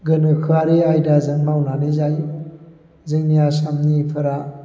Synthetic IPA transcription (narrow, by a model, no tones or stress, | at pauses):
ɡɯnɯkʰɯaɾiajdazɯŋbawnanizaj | zɯŋnijasamnipʰɯɾa